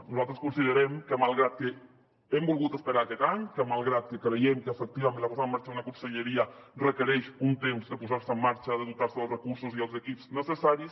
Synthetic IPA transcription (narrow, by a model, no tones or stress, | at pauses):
nuzalˠt̪ɾəskunsiðəɾɛmkəmalˠɣɾat̪̚kə | ɛmbulˠɣut̪əspəɾaːkɛt̪aɲkəmalˠɣɾat̪̚kəkɾejɛmkəːfək̚t̪iβamẽnlapuzaəmːaɾt͡ʃaunakunsəʎeɾiarəkəɾɛʃunt̪emzd̪əpuzaɾsəmːaɾt͡ʃaðəðut̪aɾsəəlˠrəkuɾsuziəlˠzəkipz̥nəsəsaɾis